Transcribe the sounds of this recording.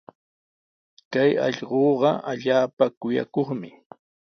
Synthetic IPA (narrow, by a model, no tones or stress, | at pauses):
kajɑ̰ʎɢoːɢɑʔaʎaːpakʊja̰koχmɪ